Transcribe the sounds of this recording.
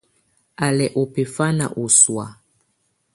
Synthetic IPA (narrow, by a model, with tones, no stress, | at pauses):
a˨lɛ˨ʔo˨pe˨fa˦na̰˨ʔo˨swa̰˨